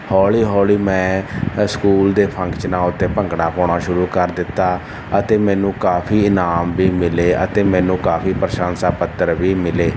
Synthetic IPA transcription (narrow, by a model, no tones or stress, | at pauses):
hɔːliːɦɔːliːmɛ̃ːskuːld̪eːpʰəŋkt͡ʃnãːʊt̪ːeːpəŋɡɽaːpɔːɳaːʃʊɾuːkəɾd̪ɪt̪ːaː | ət̪eːmɛ̃ːnũːkaːpʰiːɪnaːmbiːmɪleːə̰t̪eːmɛ̃ːnũːkaːpʰiːpəɾəʃãːnsaːpət̪ːəɾʋiːmɪleː